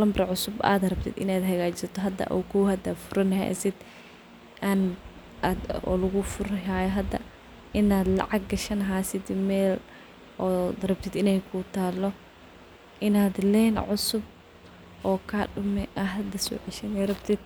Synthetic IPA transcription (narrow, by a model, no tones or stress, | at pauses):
lɐmbrɐʕʊsʊba̰ːd̪rɐb̚t̪ʰɪ̰d̪ɪ̰naːd̪ɦɐɣaːt͡ʃsɐt̪ʰɔɦɐd̪ɐ̰ʔɔ̰kʰuwhɐd̪ɐfʊɾɐnɐhɛ̰jʔɐ̰sɪd̪ | ʔan | ad̪ɔ̰lɐɣʊfʊɾaːjɔɦɐd̪ɐ̰ | ʔɪnaːd̪lɑ̰ʕɑɡ̚ɡɐʃɐnɦaːsɪd̪mɛːl | ɔd̪rɐb̚t̪ʰid̪ɪnɛjkʰʊt̪ʰaːlɔ | ʔɪnaːd̪lɛːnʕʊsʊb̚ | ʔɔːkʰaɖʊmɛʔɐɦɐd̪ɐsɔ̰ːʕɪʃɐnɛrɐbt̪ʰɪd̪̚